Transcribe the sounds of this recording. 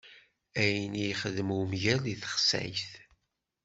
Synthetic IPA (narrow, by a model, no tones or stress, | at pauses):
æjənijχəðəmumʝæliθə̥χsæ̰jθ